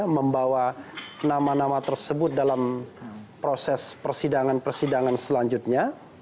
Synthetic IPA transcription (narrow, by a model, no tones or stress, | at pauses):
məmbawanamanamat̪ərsəbʊt̪̚dalam | pɾosɛspərsidaŋanpərsidaŋansəlaɲd͡ʒut̪̚ɲa